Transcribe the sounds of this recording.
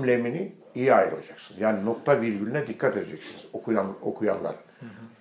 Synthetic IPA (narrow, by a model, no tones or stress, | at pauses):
mlʲemini | ijiajɯɾolˠad͡ʒaksɯnjaːnino̞k̚t̪ʰaviɾɟylʲynɛd̪ikʰːat̪e̞d̪ed͡ʒɛcsiniz̥okʰujano̞̰kʰuja̰nlˠa̰ɾɯ